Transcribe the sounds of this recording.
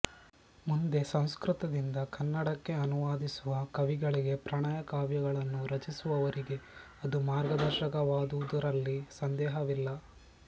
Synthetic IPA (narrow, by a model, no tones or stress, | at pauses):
mund̪e̞sɐ̃w̃skɾut̪ɐd̪ind̪ɐkɐnːɐɽɐkːe̞ɐnuʋaːd̪isuʋɐkɐʋiɡɐɭiɡe̞pɾɐɳaːjɐkaːʋjɐɡɐɭɐnːuɾɐt͡ʃisuʋɐʋɐɾiɡe̞ | ɐd̪umaːɾɡɐd̪ɐɾʃɐkɐʋaːd̪uʋud̪uɾɐlːisɐnd̪ɛːɦɐʋilːɐ